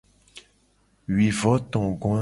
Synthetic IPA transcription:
ɥi˨vɔ˨˦t̪ɔ̃˨ɡɔ̃˦a˦

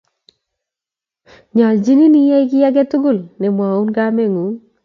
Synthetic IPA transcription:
ɲɔ˨d͡ʒi˦ni˦ni˦jɛ˦ɪ˦kɪ˦ja˦ɡɛ˦tʊ˦ɡʊ˦˨lnɪ˨mwa˨u˦nɡa˦me˦˨ŋu˨˦

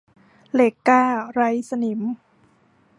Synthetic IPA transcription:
leː˨˩kːaː˥˩ɾa˦˥jsa˧ni˨˩˦m

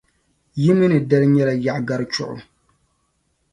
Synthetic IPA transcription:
ji˦mɨ˦nɨ˨da˦lɲɛ˦la˨ja˨ɡa˦ɾt͡ʃʊ̰˨ʔʊ̰˨

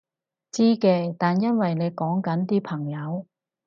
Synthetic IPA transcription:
t͡siː˥kɛː˧t̪aː˨njɐ˥nwɐ˨jne˨˧jkɔː˨˥ŋkɐ˨˥nt̪iː˥pʰɐ˨˩ŋjɐ˨˧w

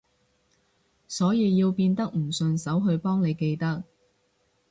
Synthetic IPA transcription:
sɔː˨˥jiː˨˧jiː˧wpiː˧nt̪ɐ˥k̚m̩˨˩sɵ˧nsɐ˨˥wɦɵ˧ɥpɔː˥ŋne˨˧jke˧jt̪ɐ˥k̚

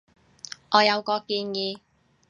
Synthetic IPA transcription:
ʔɔː˨˧jɐ˨˧wkɔː˧kiː˧njiː˨˧

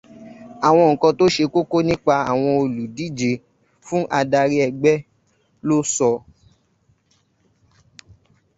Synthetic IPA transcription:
a˨w̃ɔ̃˧ŋ̩˨kɔ̃˨˧to˦ʃe˧ko˦ko˦nĩ˦k͡pa˧a˨w̃ɔ̃˧o˧lu˨di˦d͡ʒe˨ | fũ˦ʔa˧da˧ɾi˦ɛ˧ɡ͡bɛ˦ | lo˦sɔ˧

